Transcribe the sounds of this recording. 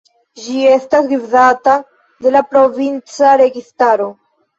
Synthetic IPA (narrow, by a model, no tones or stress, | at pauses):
d͡ʒie̞stasɡivzata | de̞lapɾo̞vint͡saɾe̞ɡistaɾo̞